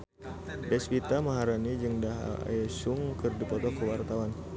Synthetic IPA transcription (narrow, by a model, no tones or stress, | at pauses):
dɛspit̪amaɦaɾanid͡ʒɨŋdaɦa̰a̰jasʊŋkɨrdipɔt̪ɔkəwart̪awan